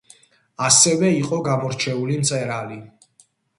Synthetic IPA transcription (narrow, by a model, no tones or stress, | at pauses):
asɛvɛiqʼɔɡamɔɾt͡ʃʰɛulimt̪sʼɛɾali